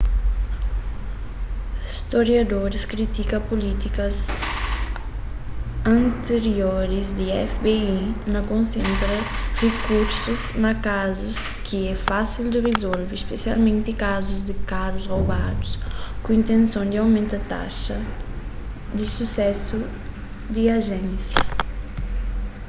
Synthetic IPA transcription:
st̪oɾjad̪oɾiskɾit̪ikɐpolit̪ikɐz | ɐ̃nt̪eɾjoɾizd̪iɛfbeinɐkõnsẽnt̪ɾɐrekuɾsuznakazuskʰiɛfasild̪irezɔlvispesialmẽnt̪ikazuzd̪ɪkaɾuzrowbad̪uskuint̪ẽnsjõnd̪iawmẽnt̪at̪a̰ʃɐ | d̪isusɛsu | d̪iaʒɛ̃nsjɐ

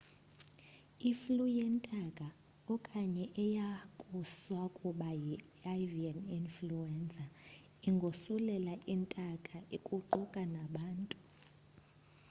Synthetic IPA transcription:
iflujɛntʼakʼa | ɔkʼaɲɛʔɛjakʼuswakʼuɓaji | avianinfluɛnt͡sʼa | iŋɡʱosulɛlaʔintʼakʼaʔikʼuǃʱukʼanaɓaːntʼu

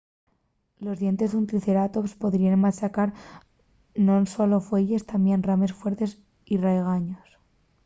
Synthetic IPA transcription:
lo̞zðje̞nt̪e̞zðunt̪ɾiθe̞ɾat̪ospo̞ðɾianmat͡ʃakaɾ | nonsolo̞fwe̞ʝe̞st̪ambjenrame̞sfwe̞ɾt̪e̞s | irejɣ̞aɲos

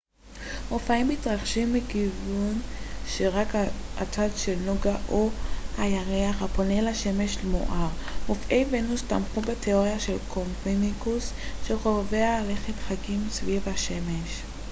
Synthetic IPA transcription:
ʔofaimhitʁaχʃimːikivunʃeʁakaatatʃelnuɡaʔohajaʁeaχapo̞nelaʃe̞meʃlmo̰ʔaʁmofʔejvenustamχubetʰeoʁejaʃelkʰompenikus | ʃeʁovealeχetχakimsvivaʃemeʃ

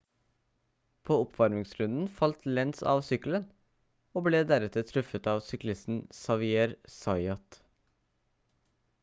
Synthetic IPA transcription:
pʰoːɔpʰʋɑɾmɪŋsɾʉnd̪n̩fɑlt̪lɛnsɑ̰ːʋsʏkəl̩ən | oːbleːd̪æɾɛt̪ət̪ʰɾʉfət̪ɑːʋsʏklɪst̪n̩sɑʋɪeːɾsɑɪɑt̪

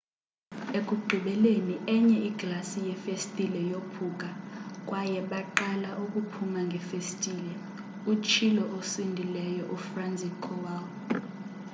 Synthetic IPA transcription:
ek̬ʼuɡ͡ǃʱiɓɛleniʔɛɲɛiɡ̥lasijɛfestʼilɛjopʰuk̬ʼak̬ʼwajɛɓaǃalaʔuk̬ʼupʰumaŋɡʱɛfestʼiːlɛ | ut͡ʃʰilɔʔosindʱilɛjɔʔufrand͡zʱikʰɔwawɔ

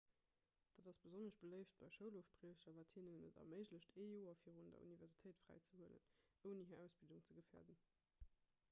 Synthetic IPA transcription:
d̥aːdɑsb̥əzonəʃb̥ələɪft̚b̥ɑɪʃəʊloːfpʁiəʃɐvaːthinənːə̰dɑ̰məɪʑləɕtʰeːjoːɐfiːʁundɐ̰ṵnivɛɐʁzitʰəɪtfʁæ̰ɪt͡səhuələ̰nəʊniɦəʔæʊsb̥ilduŋt͡səɡəfḛːɐdən

